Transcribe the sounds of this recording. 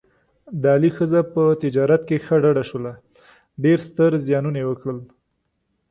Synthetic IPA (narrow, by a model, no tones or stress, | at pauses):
d̪əɑlixəzapət̪ɪd͡ʒɑɾat̪kexəɖaɖaʃwəla | ɖeɾst̪əɾzjɑnunawəkɽəl